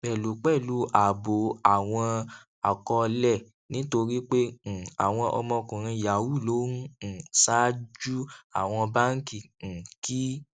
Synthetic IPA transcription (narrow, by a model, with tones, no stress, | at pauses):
bɛ˦˨lu˨˦k͡pɛ˦˨lu˨˦ʔa˨bo˨˦a˨w̃ɔ̃˧ | a˨kɔ˧lɛ˦˨ | nĩ˦to˧ɾi˦k͡pẽ˦˨a˨w̃ɔ̃˧ʔɔ̰˧mɔ̃˧kũ˨ɾ̃ĩ˧ja˨wu˦˨lo˦nũ˦˨sa˦d͡ʒu˦a̰˨w̃ɔ̃˧ba˦ŋ̩˦kĩ˦˨ki˦